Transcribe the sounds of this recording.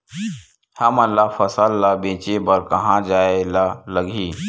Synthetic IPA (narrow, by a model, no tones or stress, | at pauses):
hɐmɐlːafɐsəlːabẽːt͡ʃebəɾkɐɦãd͡ʒaːelaləɡʱiː